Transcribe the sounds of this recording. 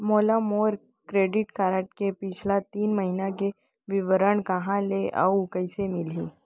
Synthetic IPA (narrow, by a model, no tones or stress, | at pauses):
moːlamoːɾ | kɾeːɖɪʈkaːɾəʈkepɪt͡ʃʰlat̪iːnməɦinake | ʋɪʋəɾəɽkɐɦãleʔɐ̰kəɪsemɪliː